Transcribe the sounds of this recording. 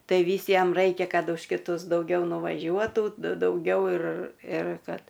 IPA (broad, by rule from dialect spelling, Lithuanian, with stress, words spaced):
ˈtɐɪ ˈʋʲiːs ˈjɛm ˈrɐɪkʲɛ ˈkɐt ʊʃ kʲɪˈtʊs dɐʊˈɡʲɛʊ nʊʋɐˈʒʲuɔtuː dɐʊˈɡʲɛʊ ɪr ɪr ˈkɐt